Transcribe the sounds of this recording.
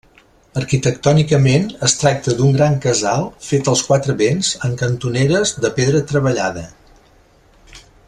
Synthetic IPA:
əɾkit̪əkt̪ɔnikəmenəst̪ɾak̚t̪əd̪uŋɡɾaŋkəzalˠfet̪əlˠskwat̪ɾəβenzəŋkənt̪uneɾəzðəpeðɾət̪ɾəβəʎaðə

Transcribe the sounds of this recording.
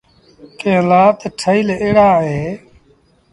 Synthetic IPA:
kẽːlaːt̪ʈʰəiːleːɽaːɦeː

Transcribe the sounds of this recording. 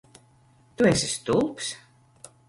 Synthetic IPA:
t̪uɛsʲist̪ulˠps

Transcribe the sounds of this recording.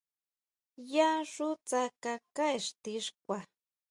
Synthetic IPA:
jaʂʊt͡sakakaeʂt̪ɪʂkwa

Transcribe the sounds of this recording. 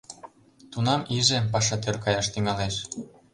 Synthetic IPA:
t̪unɑmiʒepɑʃɑt̪̬ørkɑjɑʃt̪yŋɑleʃ

